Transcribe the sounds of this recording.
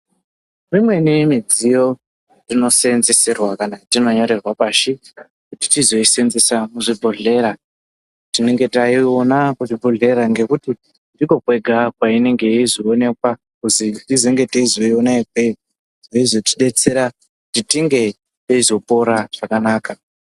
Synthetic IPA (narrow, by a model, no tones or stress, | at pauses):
rimwe̞nimid͡zijo̞ | rino̞se̞nzesirwakanatino̞ɲo̞ɾe̞rwapaːʃi | kuti̥tizo̞isenzesamuʐibʱoɮe̞ɾa | tine̞ŋɡe̞taio̞nakuʐibʱoɮe̞ɾaŋɡe̞kuti | ndiko̞kwe̞ɡʱakwaine̞ŋɡe̞izione̞kwa | kusitizeŋɡe̞teizoionaikwe | ʐoizo̞ti̥ɗe̞t͡se̞ɾa | kutitiŋɡe̞ | teizo̞po̞ɾaʐ̥akanaːka